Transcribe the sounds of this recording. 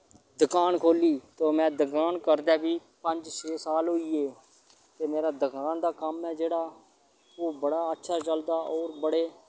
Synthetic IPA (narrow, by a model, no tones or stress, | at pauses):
d̪ʊkaːnkʰoːliːt̪oːmɛ̃ːd̪ʊkaːnkəɾd̪aːbiːpəɲd͡ʒt͡ʃʰeːsaːlɦʊiːeː | t̪eːmeːɾaːd̪ʊkaːnd̪aːkəmɛ̃ːd͡ʒeːɽaː | oːbəɽaːətːʃʰaːt͡ʃəld̪aːʔɔːɾbəɽeː